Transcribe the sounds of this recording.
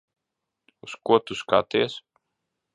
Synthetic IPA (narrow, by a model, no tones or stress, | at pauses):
uskuɔt̪uska̰t̪iɛs